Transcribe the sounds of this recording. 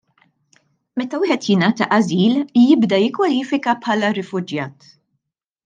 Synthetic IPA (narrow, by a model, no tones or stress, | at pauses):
mɛt̪ɐwɪːħɛt̪jɪnɐːt̪ɐʔɐziːljɪbd̪ɐjɪkːwɐliːfɪkɐpħɐlɐɾɪfʊd͡ʒjɐːt̪